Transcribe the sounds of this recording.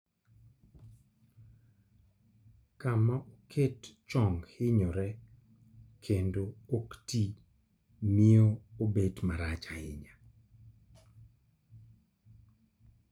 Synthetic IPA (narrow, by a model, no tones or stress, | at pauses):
kamaʔokʰett͡ʃɔŋhɪɲɔɾɛ | kʰendookti | mioobedmaɾat͡ʃaɪ̰ɲa